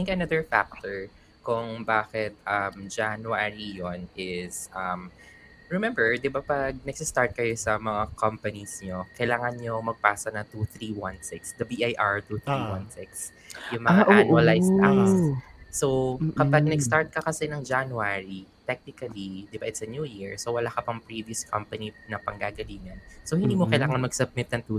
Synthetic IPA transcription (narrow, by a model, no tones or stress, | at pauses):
ɪ̃ŋkɐnɐðəɹfa̰k̚t̪oɹ | kʊŋbaːkɪt̪̚ʔɐmd͡ʒanuaɹijonɪsʔɐm | ɹɛmɛ̃mbɛɹd̪ɪbapɐɡ̚nɐɡsɪst̪aɹt̪̚kɐjosɐmɐŋakʰɐmpɐnisɲokɐjlaːŋɐnɲomɐɡ̚paːsɐnɐt̪uθɾiwɐnsɪksd̪ɐbiʔajʔaɹt̪uθɾiwa̰nsɪks | jʊŋmɐŋːaʔanuɐlajst̪awssowkɐpɐɡ̚nɐɡst̪aɹt̪̚kɐkɐsɛnɐŋd͡ʒanuaɹit̪ɛk̚nɪkɐlid̪ɪbaʔɪt̪sɐnjuːjiɹsowɐlaːkɐpɐŋpɹivjuskʰɐmpɐninɐpɐŋɡaːɡɐliːŋɐnsohɪnd̪iːmokɐjlaːŋɐnmɐɡ̥̚sɐb̚mɪt̪̚nɐnt̪ːu